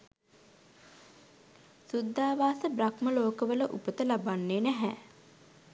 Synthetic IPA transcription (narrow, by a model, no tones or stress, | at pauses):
sud̪ʱːaːʋaːsəbrakməloːkəʋələʔupət̪əlabanːeːnæɦæ